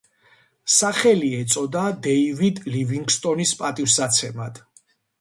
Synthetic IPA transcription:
saχɛliɛt̪sʼɔd̪ad̪ɛivid̪liviŋɡst̪ʼɔnispʼat̪ʼifsat̪sʰɛmad̪̥ʰ

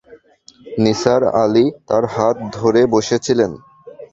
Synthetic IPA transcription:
nisaɾa̰lit̪aɾɦat̪̚d̪ʱoɾeboʃet͡ɕʰilen

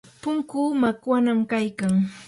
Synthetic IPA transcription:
pʊŋkuːmakwanamkajkaŋ

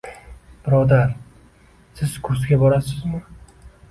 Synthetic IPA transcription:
b̥ɪɾɒd̪aɾ | sɪzkʰʊɾsɡʲabɒɾasɪzmɪ

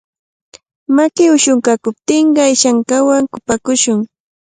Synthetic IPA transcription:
makɪʊʃʊŋkakʊp̚t̪ɪɴɢɑajʃaŋkawaŋkʊpakʊʃʊŋ

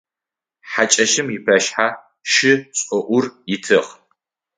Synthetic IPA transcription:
ħat͡ʃʼɐʃɪmjɪpʰɐʃħaː | ʃɪɕʼɔʔʷʊrjɪtʰɨʁ

